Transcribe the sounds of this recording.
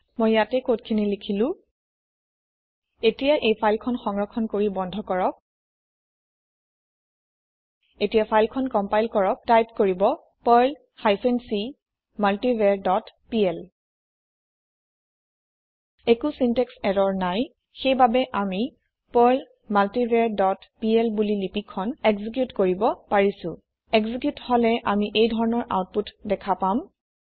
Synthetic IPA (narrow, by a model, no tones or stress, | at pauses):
mojjatɛkot̚kʰinilikʰilʊ̃ | etijaʔejpʰajlkʰɔnxɔŋɹɔkʰɔnkoɹibɔndʱɔkɔɹɔk̚ | etijapʰajlkʰɔnkɔmpajlkɔɹɔk̚tajp̚koɹibɔ | pɔjl | hajsɛnsi | maltivɛɹdɔtpiɛl | ekusintɛksɛdɔɹnaj | xejbabɛʔami | pɔjl | maltiveɹdɔtpiɛlbulilipikʰːɔnekzik̬jutkoɹibɔpaɹisʊ̰̃ | ekzikjutholɛʔamiʔejdʱɔɹɔnɔɹʔa̰wt̚putdɛkʰapam